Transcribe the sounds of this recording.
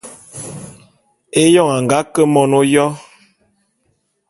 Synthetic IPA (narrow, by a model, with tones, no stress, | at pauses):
e˦jɔ˦˨ŋa˨ŋ˨ɡa˨˦kə˦mɔ˨no˦jɔ˦